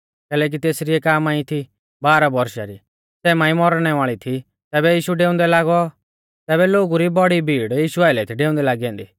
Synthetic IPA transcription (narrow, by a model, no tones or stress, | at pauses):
kɛːlɛːk̬it̪eːsɾiɛkaːmaːĩt̪ʰi | baːɾabɔɾʃa̰ɾi | sɛːmaːĩmɔɾɽ̃ɛʋaːɭit̪ʰi | t̪ɛːbɛjiːʃuɖeːʊ̃nd̪ɛlaːɡɔ | t̪ɛːbɛloːɡuɾibɔɽibʱiːɽjiːʃuaːɪlɛt̪ʰiɖeːʊ̃nd̪ɛlaːɡiɛ̃ːnd̪iː